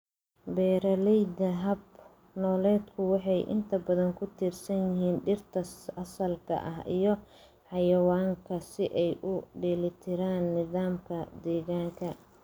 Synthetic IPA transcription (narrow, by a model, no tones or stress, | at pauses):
bɛːɾɐlɛjd̪ɐɦɐb | nɔːlɛːd̪kʰʊwɑħɑjʔɪ̰nt̪ʰɐbɐðɐŋkʰʊt̪ʰiːrsɐnjɪɦiːnɖɪrt̪ʰɐɐsɐlkʰɐ̰ʔɐɦʔḭjɞ | ħɑjɐwaːŋkʰɐsɪʔɛjʔʊɖɪlɪt̪ʰɪɾaːnːɪðaːmkʰɐd̪ɛːɣaːŋkʰɐ